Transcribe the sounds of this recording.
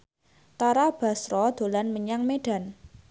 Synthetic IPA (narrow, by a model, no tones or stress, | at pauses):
t̪aɾab̥a̤sɾɔd̪̥o̤lanməɲaŋmeɖ̥a̤n